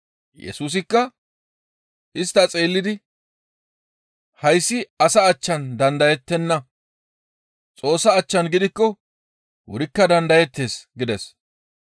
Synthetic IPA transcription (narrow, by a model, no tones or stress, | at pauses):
jɛ̰suːs̬ɪkːɐ | ɪst̪ːɐt͡sʼeːlːɪd̪ɪ | hɐjsːɪɐsɐːt͡ʃːɐnd̪ɐnd̪ɐjɛt̪ːɛnːɐ | t͡sʼo̞ːsːɐːt͡ʃːɐnɡɪd̪ɪkːɔ | wʊ̰ɾɪkːɐd̪ɐnd̪ɐjɛt̪ːe̞ːsɡɪd̪ɛs